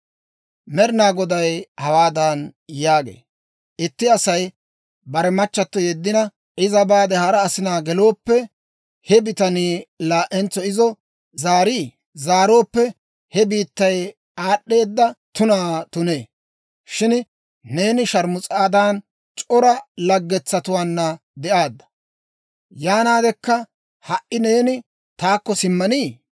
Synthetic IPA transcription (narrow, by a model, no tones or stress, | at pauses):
mɛɾɪnaːɡɔd̪ɐjhɐwaːd̪aːnjaːɡḛː | ʔɪt̪ːɪɐsɐj | bɐɾɛmɐt͡ʃːɐt̪ːɔjɛd̪ːɪnɐ | ʔɪzɐbaːd̪ɛhɐɾɐːsɪnaːɡɛlo̞ːpːɛ | hɛbɪt̪ɐniːlaːʔɛnt͡sːɔɪzɔ | zaːɾiː | zaːɾo̞ːpːɛ | hɛbiːt̪ːɐj | aːɗːe̞ːd̪ːɐt̪ʊnaːt̪ʊne̞ː | ʃɪn | ne̞ːnɪʃɐɾmʊt͡sʼaːd̪aːn | t͡ʃʼɔɾɐlɐɡːɛt͡sːɐt̪ʊwaːnːɐ | d̪ɛʔaːd̪ːɐ̥ | jaːnaːd̪ɛkːɐ | hɐʔɪne̞ːnɪ | t̪aːkːɔsɪmːɐniː